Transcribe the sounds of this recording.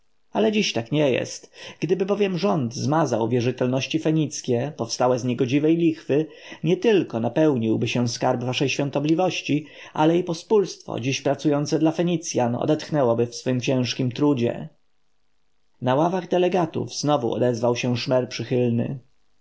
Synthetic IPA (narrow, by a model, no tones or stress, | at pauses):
alɛd͡ʑiɕt̪akɲɛjɛ̰st̪ɡ̥d̪ɘbɘbɔvʲjɛmʐɔnd̪zmazawvʲjɛʐɘt̪ɛlnɔɕt͡ɕifɛɲit̪skʲɛpɔfst̪awɛzɲɛɡɔd͡ʑivɛjlʲixfɘ | ɲɛt̪ɘlkɔnapɛwɲiwbɘɕɛ̃skaɾbvaʂɛjɕfʲjɔ̃nt̪ɔblʲivɔɕt͡ɕi | ʔa̰lɛipɔspulst̪fɔ̰d͡ʑiɕpɾat̪sujɔnt̪sɛd̪lafɛɲit̪sʲjanɔ̰d̪ɛt̪xnɛwɔbɘfsfɘmt͡ɕɛ̃w̃ʂkʲimt̪ɾud͡ʑɛ̰ | nawavaɣd̪ɛlɛɡat̪ṵvz̥nɔvṵɔ̰d̪ɛzvawɕɛ̃ʂmɛɾpʂɘxɘlnɘ̰